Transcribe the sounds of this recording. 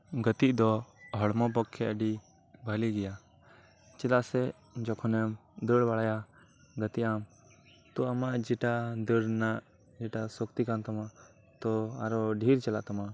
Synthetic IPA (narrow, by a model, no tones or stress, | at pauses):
ɡət̪iʔd̪ɔɦɔɽmɔp̬ɔkʰːɛʔəɖi | bʱəliɡɛja | t͡ʃɛlaʔsɛ | d͡ʒɔkʰɔnɛmd̪əɽbaɽaja | ɡət̪iʔam | t̪ɔamaʔd͡ʒɛʈad̪əɽnaʔ | d͡ʒɛʈasɔkt̪ikant̪ɔma | t̪ɔaɾɔɖʱiɾt͡ʃɛla̰ʔt̪ama